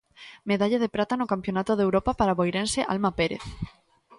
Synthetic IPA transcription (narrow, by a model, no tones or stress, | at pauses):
meðaʎaðepɾat̪anokampjonat̪oðewɾopapaɾaβojɾenseʔa̰lmapeɾḛθ